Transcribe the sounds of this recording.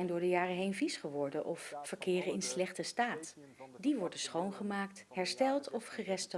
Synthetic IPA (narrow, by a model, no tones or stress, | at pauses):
jndʊːɹdəjaːrəɦejnvisχəʋɔɹdənʔɔfːəɹkɪːrənɪnslɛχtəstaːt | diʋɔɹdəsχownχəmaːktɦɛɹstɛlˠtɔfχərɛstə